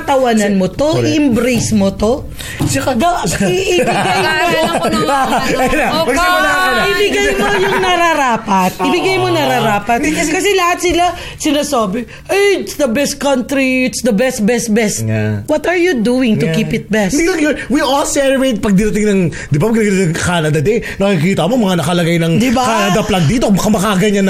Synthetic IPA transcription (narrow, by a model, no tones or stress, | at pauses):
ɐt̪ɐwanɐnmot̪oʔɪʔɪmbɾejsmot̪o | ɐd̪ɐɪbɪɡajmooaɐjlaɐ | ɪbɪɡajmojʊŋnɐɾɐɾaːpɐt̪̚ʔɪbɪɡajmonɐɾaɾaːpɐt̪kɐsɛlɐhat̪̚sɪla | sɪnɐsoːbɪ | ʔɐjɪt̪sd̪ɐbɛst̪̚kɐ̃nt̪ɾiɪt̪sd̪ɐbɛst̪̚bɛst̪̚bɛst̪wɐt̪ɐɹjud̪uɪŋt̪ʊkipɪt̪̚bɛsɐɛwiʔolsɛlɹejt̪̚pɐɡ̚d̪ɪɾɐt̪ɪŋnɐŋ | d̪ɪbapɐɡnaɡɐt̪ːɐŋkaːnɐd̪ɐd̪ɛjnɐkkikiːt̪ɐmomɐŋanɐkɐlɐɡajnɐŋd̪ɪbakaːnɐd̪ɐplan̚d̪iːt̪okbkɐmɐkaɡɐɲanɐ